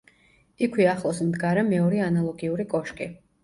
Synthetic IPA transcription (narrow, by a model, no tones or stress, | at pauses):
ikʰwiaχlˠɔsmd̪ɡaɾɛmɛɔɾianalˠɔɡiuɾikʼɔʃkʼi